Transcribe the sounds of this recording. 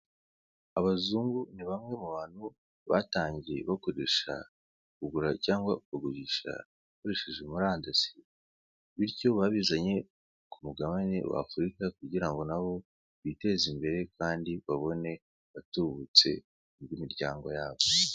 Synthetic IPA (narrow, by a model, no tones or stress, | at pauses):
aβazuːŋɡuniβamŋe̞muβaːn̥hu | βa̰taːɲɟieβako̞ɾe̞ʃa̰ | kuɡuɾacaːŋɡwakuɡuβiʃa̰ | akoɾe̞ʃeʒemuɾaːndasi̥ | βiɾɟo̞βaβizaɲe̞ | kumuɡaβanḛwa̰ːfuɾikakuɟiɾaŋɡo̞naβo̞ | βite̞zimbe̞ɾe̞kaːndiβaβo̞ne̞ | βatuβut͡se̞̰ | ubimiɾɟaːŋɡo̞̰jaːβo